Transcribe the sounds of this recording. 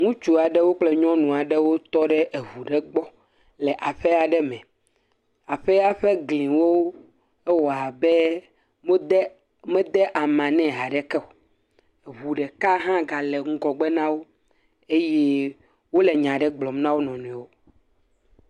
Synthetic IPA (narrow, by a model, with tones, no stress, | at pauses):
ŋũ˦t͡ʃu˦a˨ɖe˦wo˦k͡ple˦ɲɔ̃˦nũ˨a˨ɖe˦wo˦t̪ɔ˦ɖe˦ʔe˨ɦu˨ɖe˨ɡ͡bɔ˦ | lɛ˨ʔa˨ɸɛ˦a˨ɖɛ˦mɛ̃˨ | a˨ɸe˦a˦ɸe˦ɡlĩ˨wo˦ | ɛ˦wɔ˨a˨be˦ | mɛ̃˦d̪e˦ʔa˨mã˨nɛ̃˦ɦa˨ɖe˦ke˦o˨ | e˨ɦu˨ɖe˨ka˦ɦã˦ɡa˨lɛ˨ŋ̩˦ɡɔ˨ɡ͡be˦nã˦wo˦ | e˦je˦ | wo˦le˨ɲã˨ɖɛ˦ɡ͡blɔ˨mnã˦wo˦nɔ̃˨nɛ̃˨wo˦